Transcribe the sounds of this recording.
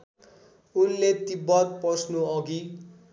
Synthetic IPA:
unlet̪ibʌt̪̚pʌsnuʌɡi

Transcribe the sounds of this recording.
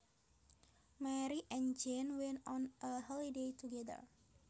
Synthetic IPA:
mɛɾiʔɛ̃nd͡ʒɛ̃nwɛ̃ntɔ̃nʔəɦɔlidejtuɡɛdə̰ɹ

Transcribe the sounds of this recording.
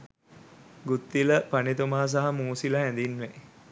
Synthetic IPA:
ɡut̪ːiləpanet̪umaɦas̬aɦamuːsiləɦæ̃nd̪inʋe

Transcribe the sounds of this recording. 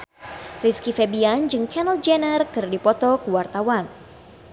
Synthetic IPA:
riskifɛbiand͡ʒɨŋkʰɛnəld͡ʒɛnərkɨrdipɔt̪ɔkuwart̪awan

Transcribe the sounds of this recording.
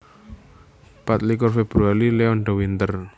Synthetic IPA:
pat̪̚likɔrfeb̥ɾuaɾileɔnɖɔwint̪ər

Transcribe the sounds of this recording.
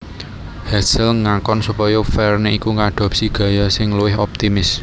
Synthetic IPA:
hasɪlŋakɔnsupɔjɔfɛrneikuŋaɖ̪̥ɔ̤psiɡ̥a̤jɔsɪŋluwɪɦɔp̚t̪imɪs

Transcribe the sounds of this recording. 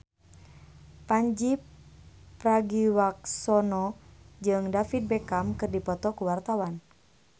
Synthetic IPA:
paɲd͡ʒip | praɡiwak̚sɔnɔd͡ʒɨŋdafit̪̚bɛkamkɨrdipɔt̪ɔkuwart̪awan

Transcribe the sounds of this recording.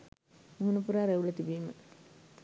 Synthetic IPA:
muɦunɐpuɾaːɾeʋulɐt̪ibiːmə

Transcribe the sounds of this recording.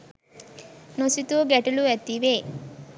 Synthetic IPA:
nosit̪uːɡæʈuluʋæt̪iʋeː

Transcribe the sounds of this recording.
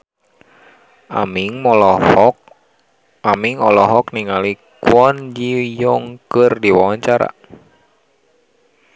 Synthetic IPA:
a̰miŋmɔlɔhɔ | amiŋɔlɔɦɔkniŋalikwɔnd͡ʒijɔŋkərdiwawaɲt͡ʃaɾa̰

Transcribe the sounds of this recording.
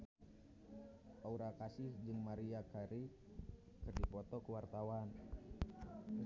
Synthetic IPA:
ʔauɾakasɪhd͡ʒɨŋmaɾiakaɾi | kɨrdipɔt̪ɔkəwart̪awan

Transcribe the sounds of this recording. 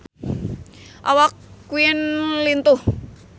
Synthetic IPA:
ʔa̰wakːuɪnlint̪uh

